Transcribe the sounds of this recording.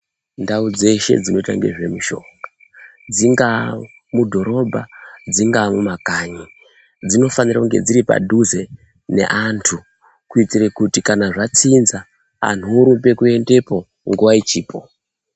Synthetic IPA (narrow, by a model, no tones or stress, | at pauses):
ndaud͡ze̞ʃe̞̰d͡zino̞ita̰ŋɡḛʐe̞muʃo̞ŋɡa | d͡ziŋɡa | mudʱo̞ɾo̞bʱad͡ziŋɡamumakaɲi | d͡zino̞fanirakuŋɡe̞d͡ziɾipa̰dʱuze̞ | ne̞̰ʔantʰu | kuit͡sirekutikanaʐat͡sinza | a̰n̤uɾupe̞kue̞nde̞po̞ | ŋɡuʋait͡ʃiːpʰo